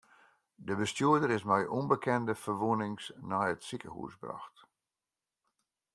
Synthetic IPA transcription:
dəbəstjuədəɾɪsmɛjʔɔnbəkʰɛndəfərʋuənɪŋsnaːətsikə̰hṵsbra̰xt

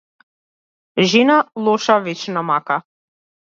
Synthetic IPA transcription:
ʒinalˠoʃɑβet͡ɕnamɑkɑ

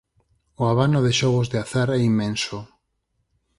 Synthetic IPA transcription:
oaβanoðeʃɔɣ̞ozðeaθaɾɛimːẽnso

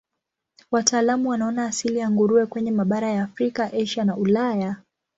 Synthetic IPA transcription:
wataːlamuwanaɔnaːsilijaŋɡuɾuɛkwɛɲɛmaɓaɾajaːfɾikaʔɛʃanaulaja

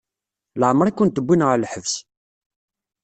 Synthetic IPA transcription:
ləʕmɾˤakːʊnt̪əbʷːinʁlħəvs

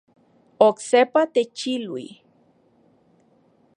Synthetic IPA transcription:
oksepat̪et͡ʃilwḭ

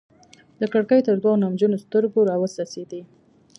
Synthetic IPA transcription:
d̪̥əkaɽkəjt̪əɾd̪wɑnamd͡ʒunost̪əɾɡoɾɑwəsɑsed̪i

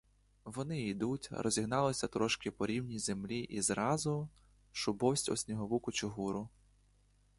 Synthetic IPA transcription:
ʋɔnɪid̪utʲrɔ̰zʲiɦnɑlˠɪsʲɐt̪ɾɔʃkɪpɔɾʲiwnʲijzemlʲiʔizɾɑzʊ | ʃʊbɔwsʲtʲɔ̰sʲnʲiɦɔʋukʊt͡ʃɪɦuɾʊ

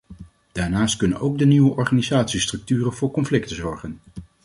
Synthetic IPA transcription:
d̥aːɹnaːstkɵnə̰nowɡdəniʋəʔɔɹχaːnizaːtsistrɵk̚tyːrənvʊːɹkɔnflɪktəzɔɹχən

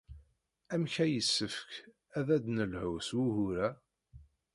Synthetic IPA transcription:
æmçæjəsːəfək | æðæd̪nəlhʊswuhʊɾæ

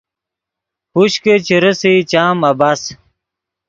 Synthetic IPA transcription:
huɕket͡ɕiɾəsit͡ɕaːmɐbas

